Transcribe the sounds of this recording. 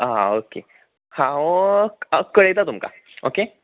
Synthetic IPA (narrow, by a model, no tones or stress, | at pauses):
aokḛ | hãoəkəɭet͡s̪at̪umka̰ | oke